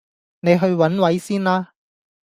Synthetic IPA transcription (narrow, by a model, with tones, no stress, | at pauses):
ne˨˧jɦɵ˧ɥwɐ˨˥nwɐ˨˥jsiː˥nlaː˧